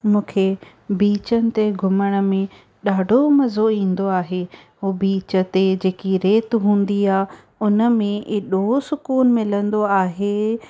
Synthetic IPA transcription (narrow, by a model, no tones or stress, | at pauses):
mũːkʰe | biːt͡ɕənɪ̆t̪eɡʱʊməɽ̃ə̆mẽ | ɗaːɖʱomɐzoĩːn̆d̪oaːɦeɦuːbiːt͡ɕə̆t̪ed͡ʑeːkiɾeːt̪ɦũːnd̪iaː | ʊnə̆mẽʔeːɗosʊkuːnmɪlə̃nd̪oaːɦeː